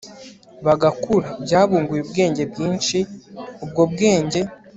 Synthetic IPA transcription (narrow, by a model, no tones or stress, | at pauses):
βaɡakuɾabɟaːβuːŋɡujubɡe̞ːɲɟe̞bɡiːnʃiubɡoːb̚ɡe̞ːɲɟe̞